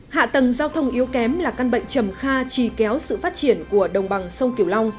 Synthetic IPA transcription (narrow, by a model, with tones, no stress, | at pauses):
ha̰ː˧˨t̪ə˨˩ŋzaː˧wt̪ʰə˧wŋ͡mʔi˨˦əwkɛ˨˦mlaː˨˩ka˧nɓə̰˧˨jŋ̟t͡ɕə˨˩mxaː˧t͡ɕi˨˧˩kɛ˨˦wsɨ̰˧˨faː˦˥t̚t͡ɕi˧˩ənku˧˩əɗə˨˩wŋ͡mɓa˨˩ŋsə˧wŋ͡mki˧˩əwla˧wŋ͡m